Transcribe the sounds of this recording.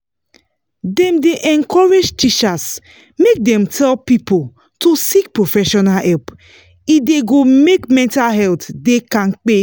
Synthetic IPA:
dɛ̃mdeʔɛ̃nkʰɔɹed͡ʒtit͡ʃas | mek̚dɛ̃mtʰɛlpipol | tosik̚pɹofɛʃɔnalɛlp | ideɡomekmɛ̃ntalɦɛltdekãnk͡pe

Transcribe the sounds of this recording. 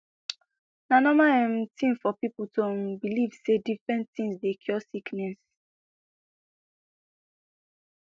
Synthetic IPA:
nanɔmaɛm̩tĩmfɔpipʊtobiliv̥sedifɹɛ̃nttĩŋsdekʰjɔsiknɛs

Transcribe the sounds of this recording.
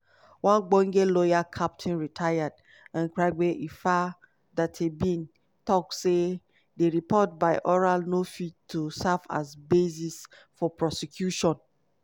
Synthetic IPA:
wãnɡ͡bɔ̃ŋɡelɔjakʰap̚tʰĩnɹitʰajad | ãnkɾaɪɡ͡beʔifa | dathebĩn | tɔk̚se | deɹipɔt̚baɪʔɔɹalnofitʰusava̰zbezis | fɔpɹɔsekʰjuʃɔ̃n

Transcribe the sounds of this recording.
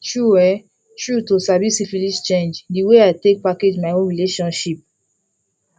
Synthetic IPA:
tɹuɛ | tɹutosavisifilist͡ʃẽnd͡ʒdiweaɪtek̚paked͡ʒmaɪõɹileʃɔ̃nʃip̚

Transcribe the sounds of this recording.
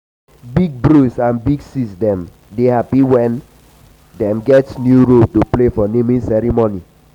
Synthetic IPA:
biɡ̚bɹusãnbiɡsisdɛ̃m | dehapiwɛ̃n | dɛ̃mɡɛtsnjuɹoltoplefɔnemĩnsɛɾimoni

